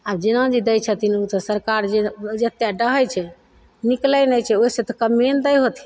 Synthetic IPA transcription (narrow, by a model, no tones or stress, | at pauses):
abd͡ʒenãd͡ʒid̪əjt͡ʃʰət̪inut̪ɔsəɾkaɾd͡ʒed͡ʒət̪jaɖəɦəjt͡ʃʰɛ | niklənəjt͡ʃʰɛoset̪ɔkəmend̪əjɦot̪ʰi̥